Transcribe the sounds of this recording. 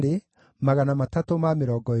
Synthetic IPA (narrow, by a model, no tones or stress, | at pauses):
ɾe | maɣanamatatomameɾɔːɡɔe